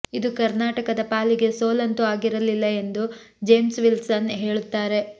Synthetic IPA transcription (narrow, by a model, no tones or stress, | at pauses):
id̪ukɐɾnaːʈɐkɐd̪ɐpaːliɡe̞soːlɐnt̪uaːɡiɾɐlilːɐe̞nd̪u | d͡ʒe̞ːmsʋilsɐnɦe̞ːɭut̪ːaːɾe̞